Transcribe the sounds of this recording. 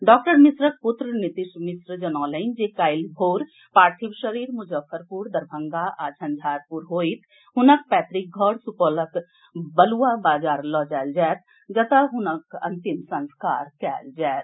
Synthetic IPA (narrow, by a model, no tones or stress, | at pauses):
ɖɔːkʈəɾmɪsɾək̚pʊt̪ɾənɪt̪ɪʃmɪsɾəd͡ʒənɔːlənd͡ʒekaːɪlbʱoːɾ | paːɾt̪ʰibʃəɾiːɾmʊd͡ʒəfʰəɾpuːɾd̪əɾbʱə̃ŋɡaʔaːd͡ʒʰə̃nd͡ʒ̪ʱaːɾpuɾɦoːit̪ʰ | ɦʊnək̚pɛːt̪ɾɪk̚ɡʱɔɽsupoːlək | bəluabaːd͡ʒaːɾlɔːd͡ʒaːld͡ʒɛːt̪̚ | d͡ʒɐt̪əɦʊnəkɐ̰̃nt̪imsə̃nska̰ːɾkɛːld͡ʒaːt̪